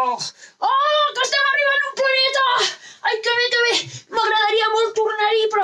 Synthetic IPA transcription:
ɔkəst̪amariβanumplanet̪ɐajkəβek̪əβeməɣɾɐðɐɾiɐmɔlt̪uɾnaɾipɾɔ

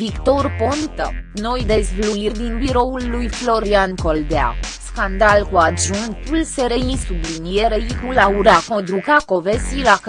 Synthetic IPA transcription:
vikt̪o̞rpont̪ə̰no̞jd̪e̞zvluird̪inbiɾo̞ulːujflo̞ɾianko̞ld̪ea̰skand̪alkuaʒunt̪ulseɾeinsublinieɾeikulauɾakod̪ɾukako̞vesilak

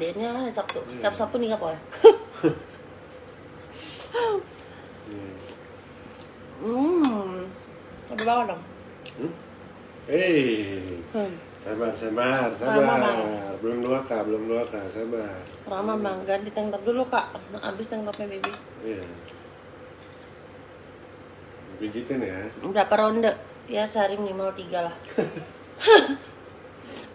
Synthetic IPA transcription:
denɲaanasap̚t̪ut̪ap̚sap̚unikapolɛ | abɛbawadɔŋ̩ | e | samarsamarsabarbəlʊmluakabəlʊmluakasamar | ramablaŋɡant̪it̪ɛŋt̪ap̚dulukaʔnʔa̰bɪst̪ɛŋt̪ap̚mabebi | ija | bid͡ʒit̪ɪnjabɾapaɾondəʔ | jasaɾimnimalt̪iɡalah

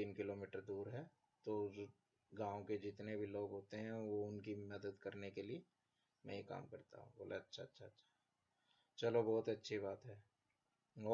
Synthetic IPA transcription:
t̪iːnkɪloːmɪːʈəɾd̪uːɾɦɛː | t̪oo | ɡãːõked͡ʒɪt̪nebʱiloːɡɦoːt̪eɦɛ̃ʋoʊnkimɐd̪əd̪kɐɾnekelie | mɛ̃jeka̰ːmkɐɾt̪a̰ɦũboːlʔaɐtːʃʰatːʃʰaɐtːʃʰḁɦɛ | t͡ʃɐlobɔːt̪ɐtːʃʰiβaːt̪ɦɛː | ɔː

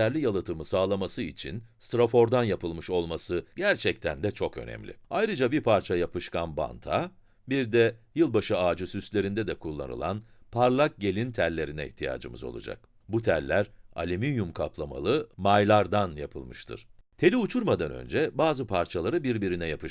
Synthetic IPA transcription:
æɾlʲijalˠɯt̪ʰɯmɯsaːlˠamasɯit͡ʃʰḭnst̪ɾafo̞ɾd̪anjapɯlˠmɯʃo̞lˠmasɯɟæɾt͡ʃʰɛc̚t̪ʰænd̪ɛt͡ʃʰo̞kø̞̰nɛ̰mlʲḭajɾɯd͡ʒabiɾpʰaɾt͡ʃʰajapɯʃkanba̰nt̪ʰa | biɾd̪ɛjɯlˠbaʃɯaːd͡ʒɯsyst̪lʲe̞ɾind̪ɛd̪ɛkʰulˠːa̰nɯ̰lˠa̰npʰaɾlˠak̚ɟe̞lʲint̪ʰæɾlʲe̞ɾinɛḭçt̪ʰija̰ːd͡ʒɯ̰mɯ̰zo̞̰lˠṵd͡ʒa̰k̚ | but̪ʰæɾlʲæɾa̰lʲiminjumkʰaplˠama̰lˠɯmajlˠaɾd̪anjapʰɯlˠmɯʃt̪ʰɯ̰ɾ̥t̪ʰe̞lʲiut͡ʃʰuɾmad̪anø̞̰nd͡ʒɛbaːzɯpʰaɾt͡ʃʰalˠaɾɯbiɾbiɾinɛjapɯ

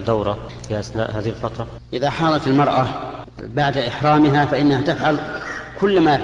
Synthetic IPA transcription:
d̪awɾˤɑ | fiʔasna̰ːʔɦaːðihɪlfɑt̪ɾˤɑ | ʔɪðaħɑːlˤɑt̪ɪlmɑɾˤʔa | baʕd̪ʔɪħɾˤɑːmɪɦafaʔɪnːahat̪ɪfʕalkʊlːma

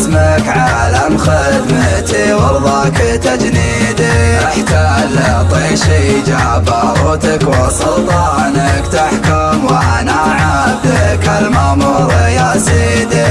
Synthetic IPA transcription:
smakʕalamxɪd̪mat̪iwɑɾðˤɑkt̪ad͡ʒniːd̪aħt̪alat̪ˤiːʃid͡ʒaʕbɑɾˤʊt̪akwɑsˤʊlt̪ˤɑnakt̪aħkʊmwʔanaʕabakalmamʊɾˤjasiːd̪i

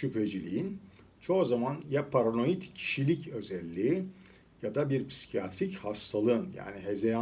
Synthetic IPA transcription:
ʃypʰed͡ʒilʲijin | t͡ʃʰo̞zamanjapʰaɾano̞jit̪cʰi̥ʃilʲicø̞zɛlʲːiː | jad̪abiɾpʰsi̥cʰijat̪ɾichast̪ʰalˠɯɯnja̰ːniɦezeja

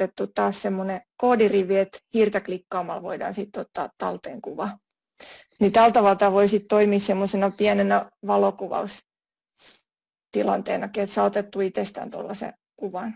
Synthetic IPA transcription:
et̪ːut̪t̪ɑːssemːonekoːdiriʋiet̪hirt̪ɑklikːɑːmɑlʋoidɑ̰ːnsit̪ːot̪ːɑ̰ːt̪t̪ɑlt̪eŋkuʋɑ | nit̪ælt̪ɑʋɑlt̪ɑʋoisit̪t̪oimissemːosenɑpiænenɑʋɑlokuʋɑ̰us | t̪ilɑnt̪ḛːnɑkiet̪sɑot̪et̪ːuit̪est̪æ̰ːnt̪o̰lːɑsḛ | kuʋɑn

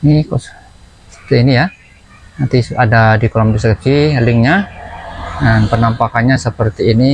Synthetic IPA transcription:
nikas | sə̥pərt̪iːnija | nant̪isadadikɔlɔmdusəkt͡ʃilɪŋɲa | danpənampakanɲasəpərt̪iːni

